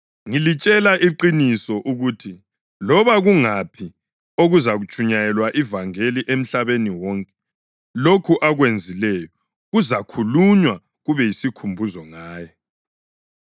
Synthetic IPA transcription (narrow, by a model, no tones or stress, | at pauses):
ŋilit͡ʃʼɛlaʔiǃinisɔʔuɣutʰi | lɔβaɣuŋapʰi | oɣuzaɣut͡ʃʼʰuɲajɛlwaʔivaŋeliʔem̩ɬaβeniwɔŋkʼɛ̥ | lokʰuʔaɣwend͡zʱilɛjɔ | ɣuzakʰuluɲwa | ɣuβɛjisikʰumbʱuzɔŋaːjɔ